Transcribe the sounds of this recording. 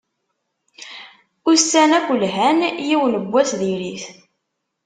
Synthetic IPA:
usænækʷːəlɦænjiwənəbʷːæsðiɾiθ

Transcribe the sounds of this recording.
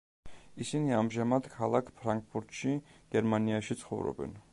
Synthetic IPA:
isiniamʒamad̪kʰalˠakʰpʰɾaŋk̚pʰuɾt̪ʰʃiɡ̥ɛɾmaniaʃit̪sʰχɔ̰vɾɔ̰bɛ̰n

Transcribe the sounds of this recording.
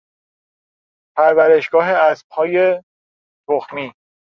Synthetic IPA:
pʰæɾvæɾe̞ʃɡ̥ɒːɦeæsb̥̚hɒːje | t̪ʰoxmiː

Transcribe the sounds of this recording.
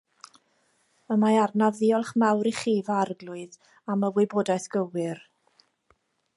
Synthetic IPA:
əmaarnavðiɔlˠχmawɾiχiːvaarɡlʊɨð | aməwɪboːdaɨθɡ̥əwɪr

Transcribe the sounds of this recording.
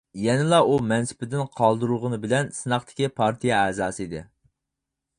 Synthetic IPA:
jɛnɪlˠɑumɛnsɪ̥pɪd̪ɪnqʰɑlˠd̪uɾuʁənɨbɪlɛnsɨnɑχt̪ʰɪ̥kʲipʰɑɾt̪ʰijɛæzɑːsɨid̪ɪ̰

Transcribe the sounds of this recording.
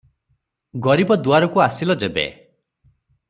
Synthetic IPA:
ɡɔɾibɔd̪uaɾɔkuasilɔd͡ʒebḛ

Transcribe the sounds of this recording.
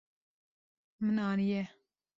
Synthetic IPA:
mɨnɑːnijɛ

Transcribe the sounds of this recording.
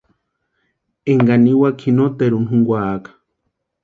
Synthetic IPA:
eŋɡaniwakʰinot̪eɾunɦuŋɡʷaːkḁ

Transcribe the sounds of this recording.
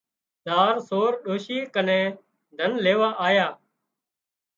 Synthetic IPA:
d̪aːɾsoːɾɗoːʃiːkənẽː | d̪ʱənleːʋaːʔaːjaː

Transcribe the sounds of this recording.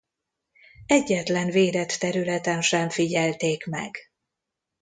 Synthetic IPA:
ɛɟːɛt̪lɛnveːd̪ɛt̪ːɛɾylɛt̪ɛnʃɛɱfiɟɛlt̪eːkmɛ̰ɡ

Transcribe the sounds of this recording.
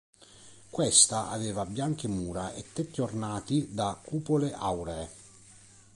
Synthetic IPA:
kwɛst̪aʔa̰vɛːvabjaŋk̟emuːɾaʔet̪ːet̪ːiornaːt̪id̪akʰːuːpoleʔawɾɛ

